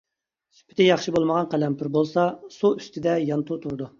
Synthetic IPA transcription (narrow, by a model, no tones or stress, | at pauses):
sy̥pʰɪ̥t̪ɪjɑχʃɨbolˠməʁɑnqælɛmpʰɪɾbolˠsɑsuyst̪ʰɪd̪ɛjɑnt̪ʰut̪ʰuɾɨd̪u